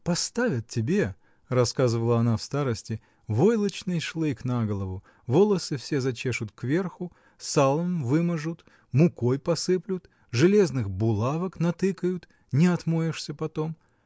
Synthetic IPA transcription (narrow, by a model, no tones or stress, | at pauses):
pɐst̪avʲət̪̚ʲtʲːɪbʲe | rɐskazɨvəlˠəɐnafst̪aɾəsʲtʲɪ | vo̞jlˠət͡ɕnɨjʂlˠɨknaɡəlˠəvʊ | vo̞lˠəsɨfsʲezɐt͡ɕeʂʊt̪kvʲe̞rxʊ | salˠəmvɨmɐʐʊt̪ | mʊko̞jpɐsɨplʲʊt̪ | ʐɨlʲe̞znɨxbʊlˠavəknɐt̪ɨkəjʊt̪ | nʲɪɐt̪mojɪʂsʲəpɐt̪om